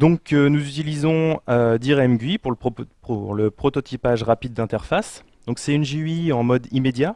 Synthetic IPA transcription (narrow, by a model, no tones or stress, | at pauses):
d̪ɔ̃knuzyt̪ilizɔ̃ød̪iʁɛmɡʲɥipuʁpuʁləpχɔt̪ɔt̪ʰipaʒʁapid̪ːɛ̃t̪ɛʁfas | d̪̥ɔ̃ksɛynʒiiɑ̃mɔd̪imed̪ja